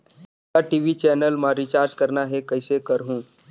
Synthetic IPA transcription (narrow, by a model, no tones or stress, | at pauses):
aʈiːʋit͡ʃɛːnəlmãɾit͡ʃaːɾd͡ʒkɐɾnaɦɛkɐɪsekəɾɦũː